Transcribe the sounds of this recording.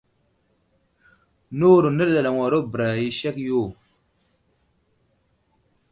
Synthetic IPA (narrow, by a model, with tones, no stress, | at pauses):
no˦˨ɾo˨nə˦ɾɗa˨la˨ŋa˨ɾo˦bɾa˨i˦ʃe˦kjo˦˨